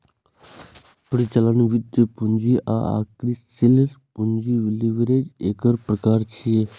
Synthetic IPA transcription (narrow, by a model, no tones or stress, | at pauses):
pɽit͡ʃələnʋɪt̪pund͡ʒiʔa̰ːa̰ːkɾisɪlɾpuɲd͡ʒiʋɪliʋəɾeːd͡ʒeːkəɾpɾəkaːɾt͡ʃʰieː